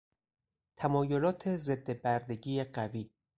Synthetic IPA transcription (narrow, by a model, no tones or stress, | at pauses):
t̪ʰæmɒːjo̞lɒːt̪ʰe̞ze̞d̪ːebæɾd̪e̞ɡiːeɢæviː